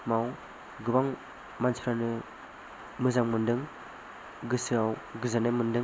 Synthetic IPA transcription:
maw | ɡɯbaŋ | manspʰɾanɯ | mɯzaŋmɯndɯŋ | ɡɯsɯawɡɯzanemɯndɯŋ

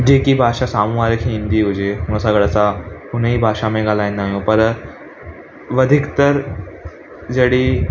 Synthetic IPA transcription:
d͡ʑekiːbʱaʂasamũaɾekʰĩːnd̪iːɦod͡ʑemuɳ̃əsaɡəɭat͡saɦuneɦiːbʱaʂamẽɡʱalajnːaɦjõpəɾ | ʋəd̪ʱikt̪əɾ | d͡zəɽiː

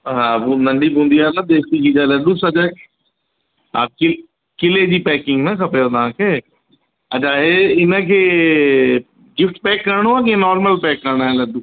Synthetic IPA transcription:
ɦabunəɳɖiːbũːnd̪ijaːnãːd̪eːkt̪iːkiːd͡ʒaːləɖuːsəd͡ʒa | a̰kɪ | kɪleːd͡ʒiːpɛːkɪ̃ŋɡnɛ̃ːkʰəpeːɾd̪ãːkʰeː | ɐt͡ʃʰaːeɪnãkʰeː | ɡɪfʈpɛːkːəɾɳoaːkenɔːɾməlpɛːkːəɾɳaːɛləɖuː

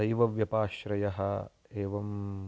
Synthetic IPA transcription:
ɐjʋɐʋjɐpaːʃɾɐjɐɦɐ | eːʋɐm

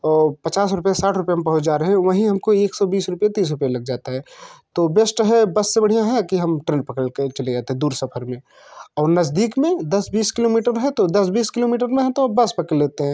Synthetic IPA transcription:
ɔːɾpɐt͡ʃaːsɾʊpjasaːʈʰɾʊpjamẽpɐɦʊt͡ʃd͡ʒaːɾɐɦɛ̃ʋəɦĩɦɐmkoeːksɔbiːsɾʊpjat̪iːs̬ɾʊpjalɐɡ̚d͡ʒaːt̪aɦɛt̪obeːsʈɦɛbɐsːebɐɽ̤ijãɦɛkiɦɐmʈɾẽːnɖpɐkəlket͡ʃəled͡ʒaːt̪ẽɦɛ̃d̪uːɾsɐpʰəɾmẽ | ɔːɾnɐzd̪iːkmẽd̪ɐsbiːskɪloːmiːʈəɾɦɛt̪od̪ɐsbiːskɪloːmiːʈ̬əɾmẽɦɛt̪obɐspɐkəlleːt̪eɦɛ̃ː

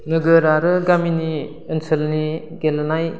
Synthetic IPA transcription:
nɯɡɯɾaɾɯɡamini | ɯnsʰəlni | ɡelnaj

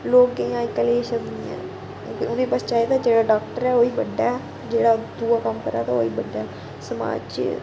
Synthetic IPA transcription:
loːkːejãːikəleːʃəbniːɛ̰̃ː | õːkɪʊnẽːpəst͡ʃaːit̪aːd͡ʒeːɽaːɖaːkʈəɾɛːoːiːbəɖːaːɛ | d͡ʒeːɽaːd̪uːaːkəmkəɾa̰ːt̪aoːiːbəɖːaː | səma̰ːt͡ʃ

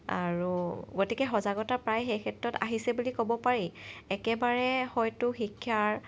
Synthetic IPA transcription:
a̰ɹuɡotikɛxɔzaɡɔtapɹajxejkʰɛtɹɔta̰ɦisɛbulikobɔpaɹiɛkɛbaɹɛxɔjtʊxikʰːjaɹ

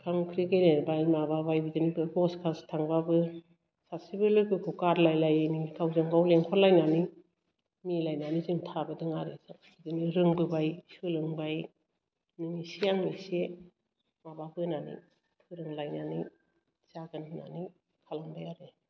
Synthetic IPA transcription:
kʰamkʰɾiɡejnebajmababajbidɯnibɯbɔskʰastʰaŋbabɯ | sasibɯlɯbɯkʰukaɾlajlajenikʰawzaŋɡawleŋkʰɔɾlajnani | milajnaniziŋtʰabɯdɯŋaɾesakʰ | idɯniɾɯŋbɯbajsɯlɯŋbaj | nɯnisijaŋmise | mababɯnanḭ | pʰɯɾɯŋlajnani | saɡɯnna̰ni | kʰalaŋbajaɾe

